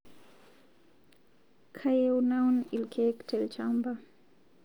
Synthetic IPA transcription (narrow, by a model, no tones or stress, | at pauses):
kʰajewnawnilkʰektʰɛlt͡ʃamba